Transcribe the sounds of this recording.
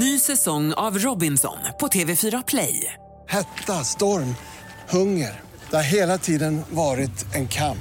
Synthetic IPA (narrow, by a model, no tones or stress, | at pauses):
nyːsɛsɔŋːa̰vɾɔbɪnsɔ̰npʰɔt̪ʰeːvɛfyːɾapʰlɛ̰j | hɛt̪ːast̪ɔɾm | hɵŋːəɾ | d̪̥ɛhaɾɦeːlat̪ʰiːd̪ənvɑːɾɪt̪ɛnkʰamp